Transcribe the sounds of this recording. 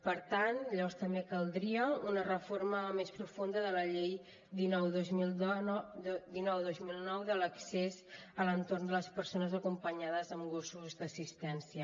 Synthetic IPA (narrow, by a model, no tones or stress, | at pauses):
pəɾt̪ant̪ʎəβɔɾst̪əmbekəlˠd̪ɾiəunərəfoɾməmespɾufund̪əðələʎej | d̪inɔwðozmi | d̪inɔwðozmilˠnɔwðələksezələnt̪ornd̪ələspəɾsonəzəkumpəɲaðəzəmɡosuzd̪əsist̪ɛnsiə